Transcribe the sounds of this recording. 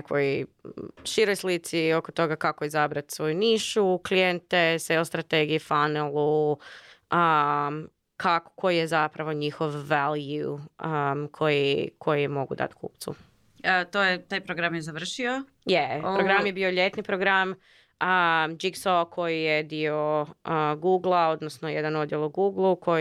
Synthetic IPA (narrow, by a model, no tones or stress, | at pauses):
nekoj | ʃiɾojslit̪sio̞kot̪o̞ɡakakoizabɾat̪sʋo̞juniːʃuklijent̪eseost̪ɾat̪eɡiifanelˠu | ə | kʰako̥kʰojjezapɾaʋo̞ɲixo̞ʋːaljuəkʰo̞jikʰo̞jijemo̞ɡṵd̪a̰t̪kṵːp̚t̪sṵ | t̪ojet̪aːjpɾoɡɾamjezaʋr̩ʃio | jeɾoɡɾamjebiːo̞ʎe̞t̪nipɾoɡɾam | əd͡ʒiksokʰo̞jijed̪io̞ | ɡuːɡlˠao̞d̪nosnojed̪ano̞d̪jelˠuɡuɡlˠukʰo̞